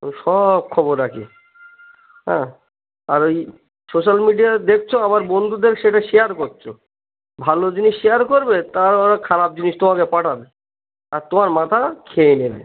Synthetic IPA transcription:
ʃɔb̚kʰɔboɾːakʰḭ | ɦɛ̰̃ | aɾoj | soʃalmiɖijad̪ek̚ʰt͡ɕʰoabaɾbond̪ʱud̪eɾʃeʈaʃejaɾkotːt͡ɕʰo | bʱalod͡ʑiniʃːejaɾkoɾbet̪aɾoɾakʰaɾap̚d͡ʑiniʃt̪omakepaʈʰabe | aɾt̪omaɾmat̪ʰakʰeenebḛ

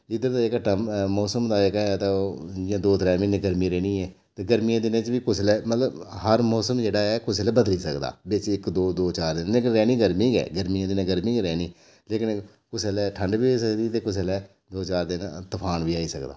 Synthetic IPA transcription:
ɪd̪əɾt̪aːɪkʈəmmɔːsəmd̪aːekɛɛt̪aoːd͡ʒɪãːd̪oːt̪ɾɛːmɪnẽːɡəɾmĩːɾɛːnĩːɛː | t̪eːɡəɾmijãːd̪ɪnẽːt͡ʃʋiːkʊsʰlɛːmət̪ləbɦəɾmɔːsəmd͡ʒeːɽaːɛːkʊsɛlɛːbəd̪liːsəkd̪a̰ːbɪt͡ʃɪkd̪oːd̪oːt͡ʃaːɾd̪ɪnleːkɪnɾɛːniːɡəɾmĩːɡɛ̰ːɡəɾmijãːd̪ɪnẽːɡəɾmĩːɡɾɛːniː | leːkɪn | kʊsɛlɛːʈʰəɳɖʋiːsəkd̪iːt̪eːkʊsɛlɛː | d̪oːt͡ʃaːɾd̪ɪnt̪əpʰaːnʋiːaːiːsə̰kd̪a̰ː

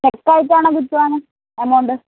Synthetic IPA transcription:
kekːaːjitːaːɳɐkut͡ɕːuʋaːŋːɐ | emoɳɖɨ

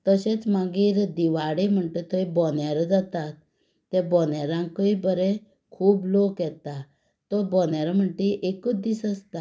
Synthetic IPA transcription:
t̪əɕẽt͡smaɡiːɾd̪iʋaɽem̤əɳʈ̪et̪ʰɔjbɔnjaɾɔd͡zat̪at̪ː | ɛ̃bɔnjaɾãŋkəibəɾɛ | kʰuːblokjɛt̪a | t̪ɔbɔnjaɾam̤əɳʈ̪iʔekəd̪isəst̪a

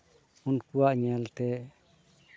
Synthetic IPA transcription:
unkuwaʔɲɛlt̪ɛ

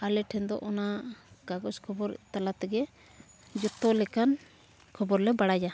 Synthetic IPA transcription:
alɛʈʰɛnd̪ɔ̰ʔɔnaɡ̥aɡɔskʰɔbɔɾt̪alat̪ɛɡɛ | d͡ʒut̪ːɔlɛkan | kʰɔbɔɾlɛbaɽad͡ʒa

